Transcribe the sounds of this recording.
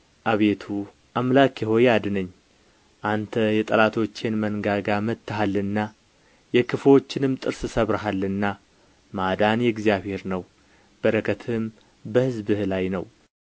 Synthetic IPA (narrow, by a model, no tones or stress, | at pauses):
ʔaβe̞t̪ʰu | ʔamlakjɪho̞jad̪ɨnəɲː | ʔant̪ʰəjɛt̪ʼəlat̪ʰo̞t͡ʃːenmənɡaɡamət̪ːaɦalːɨnːa | jɛkʰɨfot͡ʃːɪnɨmt̪ʼɨɾsɨsəβɾaɦalːɨnːa | mad̪anjɛɡzjaβhe̞ɾnəw | b̥əɾəkʰət̪ʰɨm | bəhɨzbɨhlajnəw